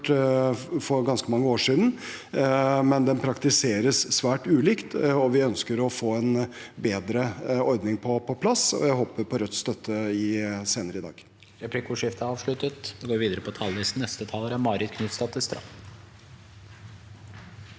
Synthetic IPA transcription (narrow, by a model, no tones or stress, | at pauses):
ʈ | fɔɾɡɑnskəmɑŋːəoːʂiːd̪n̩ | mɛnd̪ɛnpʰɾɑkt̪ɪseːɾəsːʋæːʈʉːliːkt̪ɔʋɪœnskəɾɔfoːɛnbeːd̪ɾəɔɾd̪nɪŋpʰɔpʰɔpʰlɑsɔ̰jæɪɦoːpəɾpʰɔɾœt̪st̪œt̪ʰːəɪseːnəɾəɪd̪ɑ̰ːɡ | ɾɛplɪkʰuːʂɪft̪əɑːʋʂɭʉt̪ət̪d̪ɛɡoːɾʋiːd̪əɾəpʰɔt̪ʰɑlʋɪsn̩nɛst̪ət̪ʰɑːləɾəmɑːɾɪt̪kʰnʉt̪st̪ɑt̪ʰɪst̪ɾɑ̰f